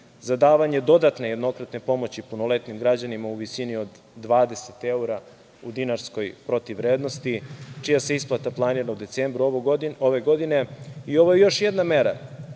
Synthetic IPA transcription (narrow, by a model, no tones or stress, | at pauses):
zad̪aːʋaɲed̪o̞d̪at̪ne̞jed̪no̞kɾat̪ne̞po̞mot͡ɕipunole̞t̪nimɡɾad͡ʑanimauʋisinio̞d̪ːʋaːd̪e̞set̪e̞uɾa | ud̪inaɾsko̞jpɾo̞t̪iʋːɾeːd̪no̞st̪it͡ʃijase̞isplˠat̪aplˠaniɾnoud̪etsembɾuooʋe̞ɡo̞d̪ine̞io̞ʋojejo̞ʃjed̪nameɾa